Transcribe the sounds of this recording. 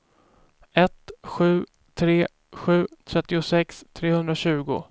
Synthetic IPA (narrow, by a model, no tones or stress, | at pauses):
ɛt̪ɧʉ̟ː | t̪ʰɾeː | ɧʉ̟ːt̪ʰɾɛt̪ːɪʊsɛkst̪ʰɾeːhɵnd̪ɾaɕʉ̟ːɡʊ̰